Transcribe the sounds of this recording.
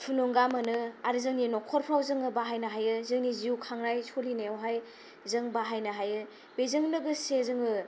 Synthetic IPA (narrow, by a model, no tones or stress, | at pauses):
pʰunoŋɡamɯnɯaɾzɯŋninɔkʰɔɾpʰɾawzɯŋɯbaɦajnɐɦajɯzɯŋniziukʰaŋɾajsʰolineawɦaj | zɯŋbaɦajnɐɦajɯ | bezɯŋnɯɡɯsezɯŋɯ